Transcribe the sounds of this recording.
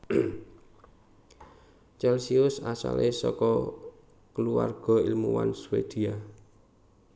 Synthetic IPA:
t͡ʃɛlsiʊsasa̰lesɔkɔ | kəluwa̰rɡ̥ɔ̤ilmuwa̰nswed̪̥ia

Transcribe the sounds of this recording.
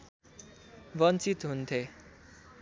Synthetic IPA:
ʋənt͡sit̪ɦunt̪ʰe

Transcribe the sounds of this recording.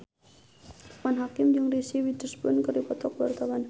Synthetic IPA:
manɦakɪmd͡ʒɨŋrisiwidəsbʊnkɨripɔt̪ɔk̚wa̰rt̪awan

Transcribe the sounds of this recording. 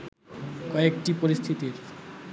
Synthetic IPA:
kɔek̚ʈipoɾist̪ʰit̪iɾ

